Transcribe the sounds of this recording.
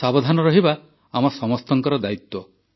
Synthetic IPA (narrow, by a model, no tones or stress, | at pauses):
sabɔd̪ʱanɔɾɔɦiba | amɔsɔmɔst̪ɔŋkɔɾɔd̪ait̪wɔ